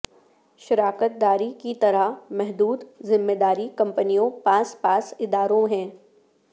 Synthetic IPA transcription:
ʃɪɾaːkət̪̚d̪aːɾikit̪ɐɾamɛɦd̪uːd̪zɪmːed̪aːɾikɐ̃mpənijõpãːspaːsɪd̪aːɾõɦɛ̃ː

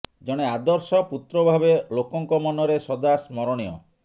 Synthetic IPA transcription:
d͡ʒɔɽ̃ead̪ɔɾsɔput̪ɾɔbʱabelokɔŋkɔmɔnɔɾesɔd̪asmɔɾɔɽ̃ijɔ̰

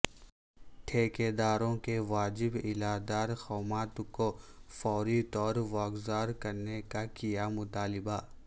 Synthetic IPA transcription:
ʈʰeːked̪aːɾõkeʋaːd͡ʒɪbɪlaːd̪aːɾxɔːmaːt̪kofɔːɾit̪ɔːɾʋaːɡzaːɾkɐɾnekakijamʊt̪aːlɪba

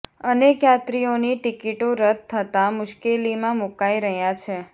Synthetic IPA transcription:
ənekjat̪ɾioniʈikiʈoɾəd̪̚t̪ʰːət̪amʊʃkelimãmukaiɾəɦjãt͡ʃʰe

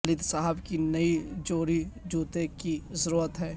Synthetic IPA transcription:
lɪd̪saɦəbkinɐid͡ʒoːɾid͡ʒuːt̪ekizəɾuːɾət̪ɦɛː

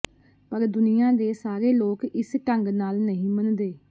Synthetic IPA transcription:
pəɾd̪ʊnijãːd̪eːsaːɾeːloːkɪsʈəŋɡnaːlnəɦĩːmənd̪eː

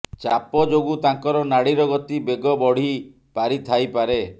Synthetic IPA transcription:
t͡ʃapɔd͡ʒoɡut̪aŋkɔɾɔnaɽiɾɔɡɔt̪ibeɡɔbɔɽ̤i | paɾit̪ʰajpaɾe

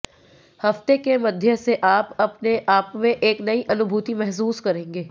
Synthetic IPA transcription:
hɐft̪ekemɐd̪ʱjəseʔaːpɐpneʔaːpmẽʔeːknɐiʔɐnʊbʱuːt̪imɛɦs̬uːskɐɾẽːŋɡeː

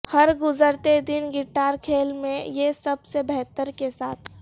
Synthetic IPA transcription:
hɐɾɡʊzəɾt̪ed̪ɪnɡɪʈaːɾkʰeːlmẽjesɐbsebɛɦt̪əɾkesaːt̪ʰ

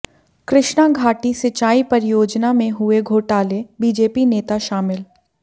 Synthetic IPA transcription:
kɾɪʃnaɡʱaːʈisɪt͡ʃaːipɐɾjoːd͡ʒnamẽɦʊeɡʱoːʈaːlebiːd͡ʒeːpineːt̪aʃaːmɪl

